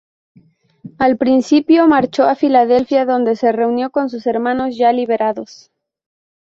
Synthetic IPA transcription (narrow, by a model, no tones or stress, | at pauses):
alpɾinsipjo̞maɾt͡ʃo̞afilaðe̞lfjaðo̞nd̪e̞se̞re̞unjo̞ko̞ns̬use̞ɾmãno̞zʝaliβe̞ɾaðo̞s